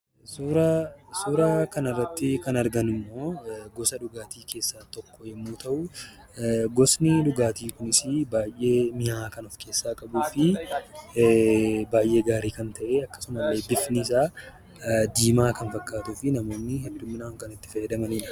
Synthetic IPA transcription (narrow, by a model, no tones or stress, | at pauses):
suːɾɐsuːɾɐkɐnɐrːɐt̪ːɪkɐnɐɾɡɐnɪmːo̞ːɡɔsɐᶑʊɡaːt̪iːkʰe̞ːsːaːt̪ɔkːɔjɛmːuːt̪ɐʔʊ | ɡɔsnɪᶑʊɡaːt̪iːkʊnɪsɪbaːjʔːe̞ːmɪhaːkɐnɔfke̞ːsːaːkʼɐbuːfɪ | baːjʔe̞ːɡaːɾiːkɐnt̪ɐʔeːɐkːɐ̥sʊmɐlːe̞ːbɪfnɪːs̬aː | d̪iːmaːkɐnfɐkːaːt̪uːfɪnɐmo̞ːnːɪhɛd̪ʊmɪnaːŋkɐnɪt̪ːɪ̥fɐjɛd̪ɐmɐniᶑɐ̥